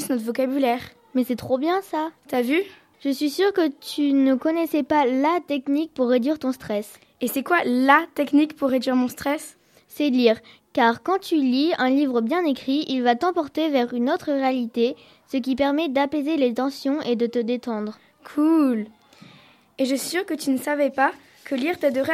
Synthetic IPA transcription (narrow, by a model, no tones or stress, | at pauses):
snɔt̪vɔkabylɛːʁ | mɛsɛt̪χobjɛ̃sat̪yavy | ʒ̥əsɥisyʁkət̪ʰynəkɔnɛsɛpalat̪ɛknik̚puʁːed̪ɥiʁt̪ɔ̃st̪χɛs | esɛkwalat̪ɛknikpuʁːed̪ɥiʁmɔ̃st̪χɛsː | ɛliːʁ | kaʁkɑ̃t̪yliɛ̃livʁəbjɛ̃nekχiilvat̪ɑ̃pɔʁt̪evɛʁynot̪χəʁealit̪e | sək̬ʲipɛʁmɛd̪apezelet̪ɑ̃sjɔ̃ʔed̪ət̪əd̪et̪ɑ̃d̪ʁ | kʰul | eʒəsɥisyʁkət̪ynəsavɛpa | kʰəliʁt̪ad̪əʁ